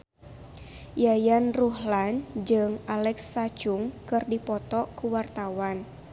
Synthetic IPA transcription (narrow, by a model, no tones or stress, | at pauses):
jajanruɦland͡ʒɨŋalɛksːat͡ʃuŋkɨrdipɔt̪ɔkuwart̪awan